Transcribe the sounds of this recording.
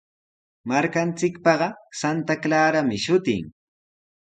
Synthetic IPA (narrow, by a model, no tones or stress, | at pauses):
maɾkant͡sɪkpɑɢɑsant̪aklaːɾamɪʃʊt̪ɪ̰ŋ